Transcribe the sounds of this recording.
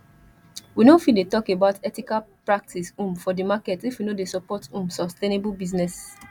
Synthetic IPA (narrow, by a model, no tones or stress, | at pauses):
winofidetɔkebaʊtɛtikalpɹak̚tʰisũmfɔdimakɛtifwinodesɔpɔtũmsɔstenebulbiznɛs